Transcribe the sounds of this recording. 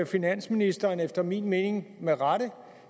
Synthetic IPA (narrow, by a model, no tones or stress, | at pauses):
æfinæn̰sminisd̥ɐːnefd̥ɐmiːnme̝ːne̝ŋmeʁɑɾ̥ə